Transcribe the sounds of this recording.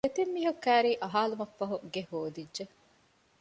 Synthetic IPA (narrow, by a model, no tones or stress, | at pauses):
et̪imːiːɦukːæːɾiːʔɐɦaːlumɐfːɐɦuɡehoːd̪idʒe